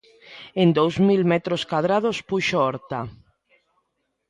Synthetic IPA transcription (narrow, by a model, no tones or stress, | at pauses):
end̪owzmilmet̪ɾoskwaðɾað̞ospuʃoɔɾt̪a